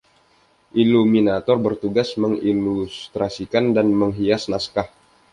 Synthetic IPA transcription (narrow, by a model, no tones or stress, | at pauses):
ʔiluminat̪ɔrbərt̪uɡasməŋilust̪ɾasikandanməŋɦiasnaskah